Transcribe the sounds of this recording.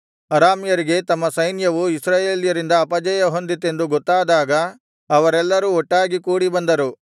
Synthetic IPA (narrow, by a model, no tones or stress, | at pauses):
ɐɾaːmjɐɾiɡe̞t̪ɐmːɐsɐjnjɐʋuisɾaːjeːljɐɾind̪ɐːpɐd͡ʒɐjɐɦo̞nd̪it̪ːe̞nd̪uɡɔt̪ːaːd̪aːɡɐː | ʋɐɾɛlːɐɾuɔʈːaːɡikuːɽibɐnd̪ɐɾu